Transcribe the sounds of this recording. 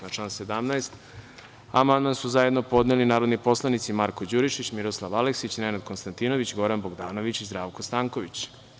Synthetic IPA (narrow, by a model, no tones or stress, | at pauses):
nat͡ʃanse̞d̪amnaest̪ | a̰mand̪mansuzajed̪no̞po̞d̪nelinaːɾo̞d̪nipo̞slˠanit̪simaɾkod͡ʑuɾiʃit͡ɕmiɾoslˠaʋaleksit͡ɕnenad̪̚konst̪ant̪ino̞ʋit͡ɕɡo̞ɾanboɡd̪aːno̞ʋit͡ɕizd̪ɾaːʋkost̪aːŋko̞ʋit͡ɕ